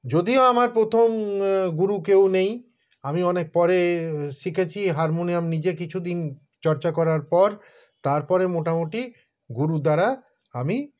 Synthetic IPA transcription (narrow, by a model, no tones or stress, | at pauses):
d͡ʑod̪ioamaɾpɾot̪ʰomɡuɾukewnej | amiɔnek̚pɔɾeʃikʰet͡ɕʰiɦaɾmonijamnid͡ʑekit͡ɕʰud̪in | t͡ɕɔɾt͡ɕakɔɾaɾpɔɾ | t̪aɾpɔɾemoʈamoʈi | ɡuɾud̪aɾa | ami